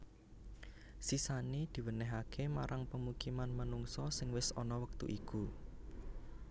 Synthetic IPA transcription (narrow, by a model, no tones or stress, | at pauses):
sisanid̪̥i̤wənɛɦakʰemaɾʔaŋpəmukimanmanuŋsɔsɪŋwɪsɔnɔwək̚t̪ṵʔiku